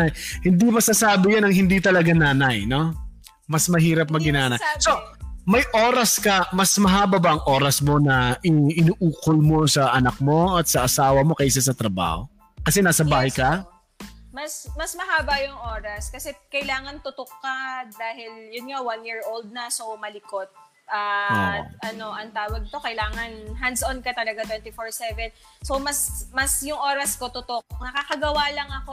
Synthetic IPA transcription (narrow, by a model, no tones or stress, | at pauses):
jhɪnd̪imɐsasaːbɪjanɐŋhɪnd̪it̪ɐlɐɡanaːnɐjno̞ | mɐsmɐɦiːɾɐp̚mɐɡɪnaːnɐjso̞mɐjʔo̞ːɾɐskɐmɐsmɐɦaːbɐbɐʔɐŋʔo̞ːɾɐsmo̞nɐʔɪɪnuʔuːkolmo̞sɐʔɐnɐk̚mo̞ɐt̪sɐʔɐsaːwɐmo̞kɐjʔɪsas̬ɐt̪ɾɐba̰ːho | kɐsɛnaːsɐbaːhɐjkɐ | mɐsmɐsmɐɦaːbɐjʊŋʔo̞ːɾɐskɐsɛkɐjlaːŋɐnt̪ʊt̪okːɐd̪aːhɪljʊnŋawanjiːɹʔowld̪̚nɐsomɐlɪko̞t̪̚ | ʔɐo̰ʔɐno̞ʔɐŋt̪aːwɐɡ̚t̪o̞kɐjlaːŋɐnɦand̪sʔonkɐt̪ɐlɐɡat̪wɛnt̪ifoɹsɛvɛn | somɐsmɐsjʊŋʔo̞ːɾɐsko̞t̪ʊt̪o̞k̚nɐkakɐɡɐwalɐŋɐko̞